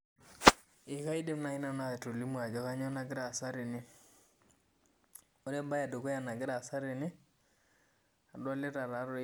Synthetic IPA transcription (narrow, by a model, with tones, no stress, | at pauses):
ɪ˨ka˦i˦de˦m˦na˨i˦na˦na˨to˨li˦mwa˨d͡ʒɔ˦ka˦ɲɔ˦na˨ɡɪ˦ɾa˨sa˦ɾɪ˨nɪ˦ | o˦ɾɛ˦mba˦ja˨do˨kɔ˦ja˨na˨ɡɪ˦ɾa˨sa˦ɾɪ˨nɪ˦ | a˨dwa˦le˦ta˨ɾa˨˦ɾ